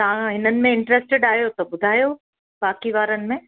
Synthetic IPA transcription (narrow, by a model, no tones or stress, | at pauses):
t̪ɐʋãɦɪnənɪ̆mẽɪ̃ɳʈɾɛːsʈɪɖaːɦjot̪ɐbʊd̪ʱaːjo | baːkiʋaːɾənɪ̆mẽ